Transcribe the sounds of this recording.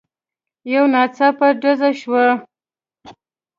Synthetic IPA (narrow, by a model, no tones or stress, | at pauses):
jawnɑt͡sapaɖazaʃwa